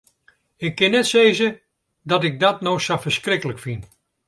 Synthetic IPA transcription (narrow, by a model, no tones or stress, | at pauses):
ɪkːɪnːɛtseːzə | dɔtɪɡ̚dɔtnoxsafərskrɪkələkfin